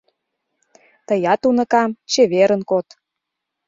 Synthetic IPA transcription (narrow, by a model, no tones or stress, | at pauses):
t̪əjɑt̪unɤ̆kɑmt͡ɕeβeɾə̆nkot̪